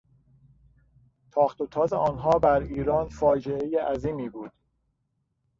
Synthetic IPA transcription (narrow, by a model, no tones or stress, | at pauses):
t̪ʰɒːxt̪ot̪ʰɒːzeʔɒːnɦɒːbæɾiːɾɒːnfɒːd͡ʒee̞jeʔæziːmiːbuːd̪̥